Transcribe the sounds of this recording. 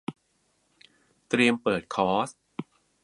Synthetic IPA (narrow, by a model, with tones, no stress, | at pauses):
t̪ɾi˧əmpɤː˨˩t̪̚kʰɔː˦˥s